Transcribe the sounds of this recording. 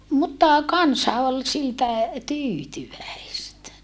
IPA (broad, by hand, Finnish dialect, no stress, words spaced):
mutːɑ kɑnsɑ ol siltæ tyːtyʋæistæ